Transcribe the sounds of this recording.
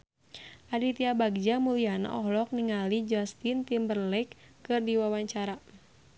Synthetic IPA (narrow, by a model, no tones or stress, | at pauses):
ʔadit̪iabaɡ̚d͡ʒamuliana̰ʔɔhlɔk̚niŋalid͡ʒast̪int̪imbərlɛkː | ɨrdiwawaɲt͡ʃaɾa